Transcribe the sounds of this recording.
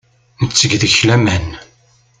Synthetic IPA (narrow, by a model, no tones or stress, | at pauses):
nət͡sːəɡðəçlæmæn